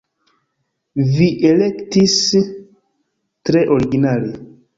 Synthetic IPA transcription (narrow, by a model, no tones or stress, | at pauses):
viʔele̞ktis | tɾe̞ʔoɾiɡinale